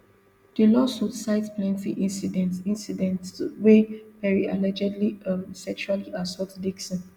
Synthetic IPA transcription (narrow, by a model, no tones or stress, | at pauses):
d̥əlɔsutsaɪtplɛ̃nfiʔĩnsidɛ̃ntĩnsidɛ̃ntwepɛɹialɛd͡ʒɛdliamsɛk̚t͡ʃualiʔasɔtdiks